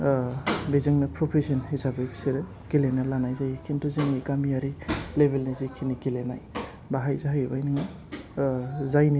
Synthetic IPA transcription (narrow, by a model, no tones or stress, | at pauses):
bezɯŋnɯpʰɾopʰisɯnhizabepseɾɯ | ɡ̥ilenalanajzajikʰintʰuziŋiɡamijaɾilebelnizikʰiniɡilena̰j | baɦajzaɦajbajnɯŋa | zajni